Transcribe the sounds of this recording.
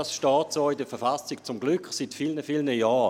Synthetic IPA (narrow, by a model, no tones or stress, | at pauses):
ɑsʃtɑːtsoːidəfɛfasɪkt͡sʊmɡlykχsitfilnəfiːlnəjaː